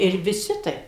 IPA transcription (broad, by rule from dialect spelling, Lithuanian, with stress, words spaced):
ɪr ʋʲɪˈsʲɪ ˈtɐɪp